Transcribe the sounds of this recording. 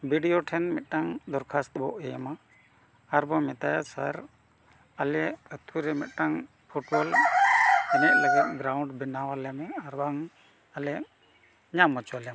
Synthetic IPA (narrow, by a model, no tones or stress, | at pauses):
bʱiɖijoʈʰɛnmɛt̪̚ˀʈaŋd̪ɔɾkʰast̪bɔ̰ʔɛjamaː | ɾbɔmɛt̪ajasa̰ɾ | alɛʔət̪ʰuɾɛmɛt̪̚ˀʈaŋ | pʰuʈbɔl | ɛnɛʔ̚laɡat̪̚ɡɾawɳɖbinawalɛmɛaɾbaŋ | alɛʔ | ɲamɔt͡ʃwalɛjam